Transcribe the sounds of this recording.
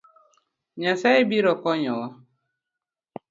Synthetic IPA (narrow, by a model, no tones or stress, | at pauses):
ɲasaɪbiɾɔkɔɲɔwɔ